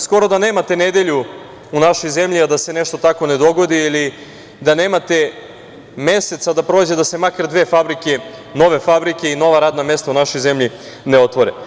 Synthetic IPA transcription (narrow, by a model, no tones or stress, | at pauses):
sko̞ɾo̞d̪aneːmat̪e̞ne̞d̪eʎu | unaʃo̞jze̞mʎiad̪ase̞ne̞ʃt̪o̞t̪ako̞ne̞d̪o̞ɡo̞d̪iili | d̪ane̞ːmat̪e̞ | me̞se̞t̪sad̪apɾoːd͡ʑe̞d̪ase̞makaɾd̪ʋe̞ːfabɾike̞ | no̞ʋe̞fabɾike̞ino̞ʋaɾaːd̪name̞st̪aunaʃo̞jze̞mʎi | neo̞t̪ʋo̞ɾḛ